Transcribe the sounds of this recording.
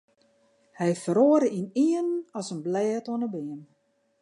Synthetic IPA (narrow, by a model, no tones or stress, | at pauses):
hɛjfəɾoːəɾəʔiniənɔsənblɛːtoənəbɪən